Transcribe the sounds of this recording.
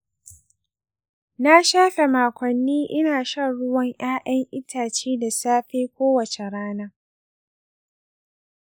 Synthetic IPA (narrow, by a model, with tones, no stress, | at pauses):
na˦ʃaː˦ɸe˨maː˨kʷɐ˨nːiː˦ʔɪ˦naː˨ʃɐ˦ɽʊ˦wɐ˦ŋʔj̰aː˦ʔɐ˦ŋʔɪ˦tʰaː˨t͡ʃiː˦da˨saː˦ɸeː˦kʷoː˦wɐ˨t͡ʃe˨ɽaː˦na˦